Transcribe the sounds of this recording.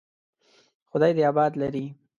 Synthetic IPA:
xʊd̪ɑjd̪əabɑd̪laɾi

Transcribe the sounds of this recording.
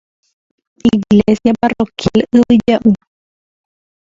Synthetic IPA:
iɡlesjaparokjalɨwɨd͡ʒaʔu

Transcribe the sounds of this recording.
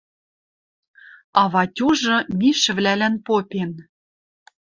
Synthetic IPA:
ɑβɑtʲuʒɤ̆mʲiʃɘ̆vlælænpopʲen

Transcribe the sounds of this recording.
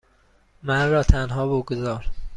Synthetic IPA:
mænrɒːt̪ʰænɦɒːboɡozɒːɾ

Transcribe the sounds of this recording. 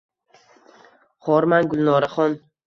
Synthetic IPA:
χɒɾmanɡʊlˠnɒɾaχɒn

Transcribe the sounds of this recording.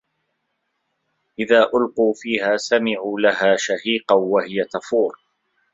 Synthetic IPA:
ʔɪðaːʔʊlquːfiːhaːsamɪʕuːlaɦaːʃahiːqɑwahɪjat̪afuːɾ

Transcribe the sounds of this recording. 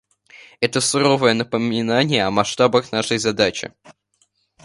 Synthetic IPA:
ɛt̪əsʊɾo̞vəjənəpəmʲɪnanʲɪjəɐmɐʂt̪abəxnaʂəjzɐd̪at͡ɕɪ̰

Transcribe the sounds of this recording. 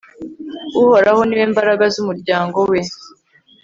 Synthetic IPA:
uho̞ɾaho̞niweːmbaɾaɡazumuɾɟaːŋɡo̞we̞

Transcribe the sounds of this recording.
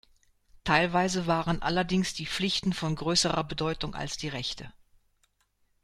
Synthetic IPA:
tʰaɪlvaɪzəvaːʁənʔa̰lɐdɪŋsd̥iːp͡flɪçtn̩fɔnɡʁøːsəʁɐbədɔʏtʊŋʔa̰lsd̥iːʁɛçtʰə

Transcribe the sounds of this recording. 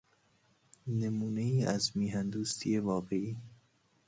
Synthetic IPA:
nemuːneiːæzmiːɦænd̪uːst̪ʰije̞vɒːɣe̞iː

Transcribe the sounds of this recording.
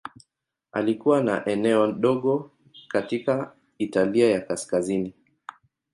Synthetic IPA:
a̰likuwana̰ʔɛnɛɔɗɔɠɔ | katika | italiajakaskazini

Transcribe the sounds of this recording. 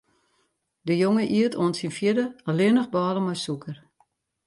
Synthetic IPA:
dəjoŋəʔiətʰoənsinfjɪdəalɪənəxbɔːləmɔjsukʰər

